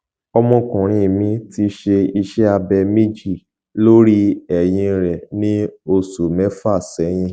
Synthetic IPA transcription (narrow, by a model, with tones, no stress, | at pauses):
ɔ˧mɔ̃˧kɔ̃˨ɾ̃ĩ˧˨mĩ˨˦ti˧ʃe˧i˧ʃɛ˦a˧bɛ˧mĩ˦d͡ʒi˦˨ | lo˦ɾi˦ɛ˨j̃ĩ˧ɾɛ˨nĩ˦o˧su˨mɛ˨˦fa˦˨sɛ˨˦j̃ĩ˧